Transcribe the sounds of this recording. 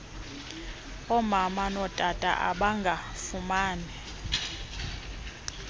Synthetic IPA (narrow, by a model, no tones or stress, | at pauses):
ɔmamanɔd̥ʼatʼa̰ʔa̰ɓaŋɡʱafumaːnɛ